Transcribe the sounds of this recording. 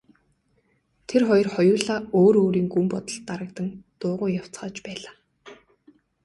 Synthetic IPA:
t̪ʰerχɔjɞ̆rχɔjʊːɮaːoːɾoːɾiːŋɡumpɔt̪ə̆ɬt̪ːaɾə̆k̚t̪ə̆ŋt̪ʊːʁʊːjaw̥t͡sχaːt͡ɕpæːɮaː

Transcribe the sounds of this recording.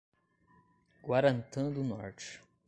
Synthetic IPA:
ɡ̥waɾɐ̃nt̪ɐ̃d̪ʊnɔ̰ɾt͡ʃɪ̥

